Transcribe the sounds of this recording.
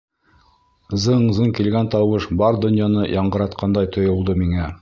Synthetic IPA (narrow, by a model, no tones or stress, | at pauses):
zɤɴzɤɴkilɡænt̪ɑwɤʃbɑɾd̪ŏnjɑnɤjʔɑɴɢɤ̆ɾɑt̪qʰɑnd̪ɑjt̪ŏjŏlˠd̪ɤmiŋæ